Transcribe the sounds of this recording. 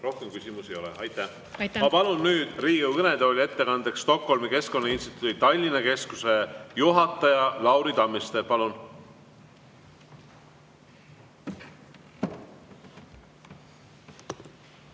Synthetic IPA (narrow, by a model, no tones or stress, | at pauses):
ro̞hkemkysʲimusejo̞lɛ̰ɑjt̪ːˑæ | mɑpɑlunːyːd̪̥riːewkɤned̪olʲiet̪ːe̞kɑnd̪̥ekst̪o̞kho̞lmike̞sko̞nːɑinst̪i̥t̪ˑud̪it̪ɑlʲːinɑke̞skuse̞juɦɑt̪ˑːɑjɑlɑwɾid̪ɑmːist̪e̞pɑlun